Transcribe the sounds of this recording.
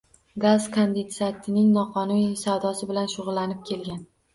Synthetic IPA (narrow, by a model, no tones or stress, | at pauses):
ɡazkʰond̪ent̪sat̪ʰɪnɪŋnɒqʰɒnunisawd̪ɒsɪbɪlanʃʊʁʊlːanɪp̚kʲʰe̞lɡʲan